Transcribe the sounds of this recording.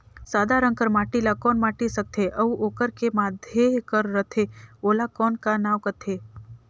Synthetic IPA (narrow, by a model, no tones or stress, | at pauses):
saːd̪ʱaɾə̃ŋkəɾmaːʈilakɔːnmaːʈisək̚t̪ʰeʔɐuʔoːkəɾkemaːd̪ʱjekəɾːət̪ʰeoːlakɔːnkanaːwkət̪ʰeː